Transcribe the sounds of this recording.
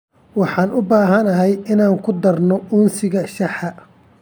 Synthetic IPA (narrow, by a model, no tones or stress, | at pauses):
wɑħɑːnʊbaːɦɐnɐɦɛjɪnaːŋkʰʊd̪ɐrnɔuːnsɪɣɐʃɑħɐ